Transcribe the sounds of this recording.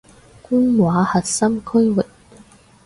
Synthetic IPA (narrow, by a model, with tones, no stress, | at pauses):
kuː˥nwaː˨˥hɐ˨t̚sɐ˥mkʰɵ˥ɥwɪ˨˩k̚